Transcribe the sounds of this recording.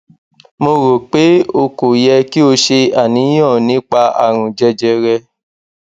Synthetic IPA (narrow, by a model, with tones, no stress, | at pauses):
mo˧ɾo˨k͡pe˨˦o˧ko˨jɛ˧ki˦o˧ʃe˧a˦˨nĩ˨˦j̃ɔ̃˦˨nĩ˨˦k͡pa˧a̰˦˨ɾ̃ũ˨d͡ʒɛ˧d͡ʒɛ˧ɾɛ˧